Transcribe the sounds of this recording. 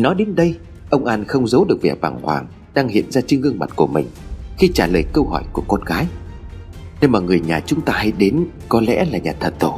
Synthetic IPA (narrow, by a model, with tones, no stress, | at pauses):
nɔ˨˦jɗe˨˦nɗə˧j | ʔə˧wŋ͡mʔaː˧nxə˧wŋ͡mzə˨˦wɗɨ˨˩ək̚vɛ̰˧˨˩ɓaː˧˩ŋhwa̰ː˨˩ŋ | ɗaː˧ŋhḭ˧˨ənzaː˧t͡ɕi˧ŋɨ˧əŋma˨˩t̚ku˧˩əmï˨˩ŋ̟xi˧t͡ɕaː˧˩ləː˨˩jkə˧whɔ˧˩jku˧˩əkɔ˧nɣaː˨˦j | ne˧nmaː˨˩ŋɨ˨˩əjɲaː˨˩t͡ɕʊ˨˦ŋ͡mt̪aː˧ha˧jɗe˨˦n | kɔ˨˦lɛ̰˧˥laː˨˩ɲaː˨˩t̪ʰə˨˩t̚t̪o˧˩